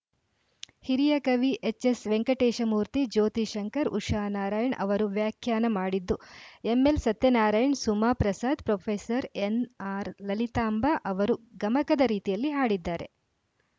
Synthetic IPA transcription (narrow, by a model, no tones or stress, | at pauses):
hiɾijɐkɐʋiʔet͡ʃːesʋeŋkɐʈeːʃɐmuːɾt̪id͡ʒoːt̪iʃɐŋkɐɾṵʃaːnaːɾaːjɐɳʔɐ̰ʋɐɾuʋjaːkʰjaːnɐmaːɽid̪ːuemːelsɐt̪jɐnaːɾaːjɐɳsumaːpɾɐsaːd̪pɾoːpʰeːsɐɾenaːɾlɐlit̪aːmbaʔɐʋɐɾuɡɐmɐkɐd̪ɐɾiːt̪ijɐlːiɦaːɽid̪ːaːɾe̞̰